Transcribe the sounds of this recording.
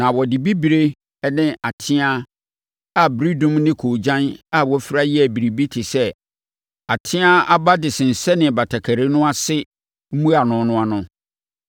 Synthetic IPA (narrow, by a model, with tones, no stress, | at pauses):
nã˨wɔ˨dɪ˨bi˦bi˨ɾe˦ | ɛ˦nɪ̃˦ʔa˨tʰɪ̃˦a˦ | a˨bɾi˦dʊ̃˦mnɪ̃˦kʰo˨d͡ʑã˦na˦wɔ˦fi˦ɾa˦jɪ˦æ˨bi˨ɾi˨bi˦tʰɪ˨sɛ˦ | a˨tʰɪ̃˦a˦a˦ba˦dɪ˨sɪ˨n̩˨sɛ˦nɪ̃˨ba˨tʰa˨kʰæ˨ɾe˦nʊ̃˦a˦sɪ˦ | m̩˦mũ˦a˨nʊ̃˨nʊ̃˦a˨nʊ̃˦